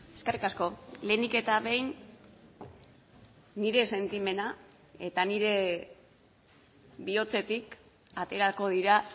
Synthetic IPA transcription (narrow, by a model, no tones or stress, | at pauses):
e̞skerikasko̞le̞ːnike̞t̪aβe̞jn | iɾe̞se̞nt̪ime̞na | e̞t̪aniɾe̞ | bio̞t͡se̞t̪ik | at̪e̞ɾako̞ðiɾa